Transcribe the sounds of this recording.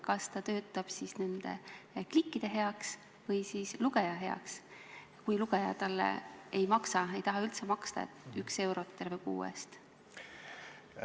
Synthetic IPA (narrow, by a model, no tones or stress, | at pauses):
kɑst̪ɑt̪ø̞ːt̪ːˑɑb̥sisne̞nd̪̥e̞̰klikːˑid̪̥e̞ɦe̞ɑks | vɤjsiːsluɡe̞jɑɦe̞ɑ̰ks | kujluɡ̥ejɑ̰t̪ɑlːḛejmɑksɑe̞jt̪ɑɦɑylt̪semɑkst̪ɑ̰et̪ykse̞wɾo̞t̪ːˑe̞rvekṵːḛst̪